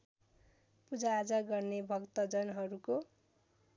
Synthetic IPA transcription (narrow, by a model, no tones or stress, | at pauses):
pud͡zaːd͡zʌɡʌrnebʱʌkt̪ʌd͡zʌnɦʌɾuko